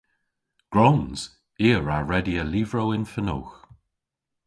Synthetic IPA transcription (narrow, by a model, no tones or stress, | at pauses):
ɡ̥ɹɔwnz̥ | iːəɹaɹɛdiəliːvɹowɪnfəno̰ːx